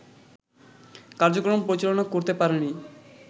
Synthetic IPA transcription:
kaɾd͡ʑokɾonpɾoɾit͡ɕalonakoɾt̪epaɾeni

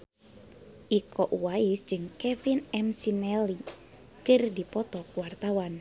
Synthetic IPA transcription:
ʔikɔʔuwaɪsd͡ʒɨŋkɛfinɛmsinɛli | kɨrdipɔt̪ɔkuwart̪awan

